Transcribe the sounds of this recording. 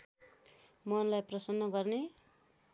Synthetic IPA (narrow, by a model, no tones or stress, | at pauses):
mʌnlajprʌsʌnːʌɡʌrne